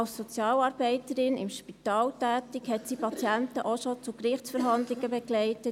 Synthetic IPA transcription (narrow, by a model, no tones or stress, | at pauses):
ɑlsːɔt͡sjɑːlɑːɾbɛɪtəɾɪnɪ̰mʃpit̪ɑːltæːtikhɛtsipɑt͡sjænt̪əʔoʃot͡sukɾɪχt͡ssfəɾɦɑnd̪lɪɡəbeɡlɛɪtə